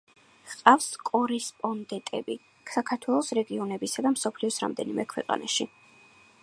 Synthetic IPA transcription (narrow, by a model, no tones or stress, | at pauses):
qʼafskʼɔɾɛspʼɔnd̪ɛt̪ʼɛbi | ksakʰaɾt̪ʰwɛlˠɔsɾɛɡiɔnɛbisad̪amsɔpʰliɔsɾa̰md̪ɛnimʔɛkʰwɛ̰qʼa̰naʃi